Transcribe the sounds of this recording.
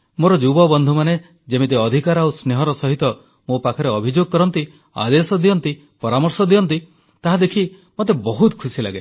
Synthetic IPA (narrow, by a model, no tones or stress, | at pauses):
moɾɔd͡ʒubɔbɔnd̪ʱumane | d͡ʒemit̪eɔd̪ʱikaɾawsneɦɔɾɔsɔɦit̪ɔ | mopakʰɔɾeɔbʱid͡ʒoɡɔkɔɾɔnt̪i | a̰d̪esɔd̪iɔnt̪i | pɔɾamɔɾsɔd̪iɔnt̪i | t̪aɦad̪ekʰi | mot̪̬ebɔɦut̪kʰusila̰ɡe